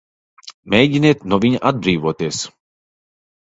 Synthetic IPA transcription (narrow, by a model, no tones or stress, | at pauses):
mʲɛjɟʲineːt̪nuvʲiɲaʔad̪̚bɾiːvuɔt̪iɛs